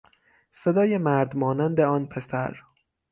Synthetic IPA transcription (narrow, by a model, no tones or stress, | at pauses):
sed̪ɒːjemæɾd̪mɒːnænd̪eɒːnpʰesæ̰ɾ